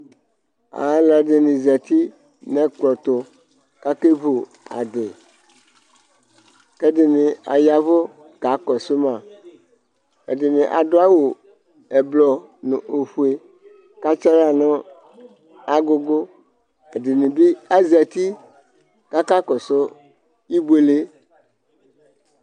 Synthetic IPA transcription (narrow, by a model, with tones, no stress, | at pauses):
a̰˨ɦa˦lɛ˨de˨nĩ˨zɛ˨t̪i˦ | nɛ̃˦k͡plɔ˨t̪o˨ | ka˦ke˦vu˨ | a̰˨de˨ | ke˦de˨nĩ˨a̰˨ja˨vo˦ | ka˨˦kɔ˨so˦mã˨ | ḛ˨dɪ˨nĩ˨ʔa̰˨do˦a˦wo˨ | e˨blɔ˨nʊ̰̃˨ʔo˨ɸu˨e˨ | ka˦t͡ʃa˦la˦nɔ̃˦ | a˨ɡo˦ɡo˦ | e˨dɪ˨nĩ˨bi˦a˦zɛ˨t̪i˦ | ka˦ka˦kɔ˨so˦ | i˦be˨le˦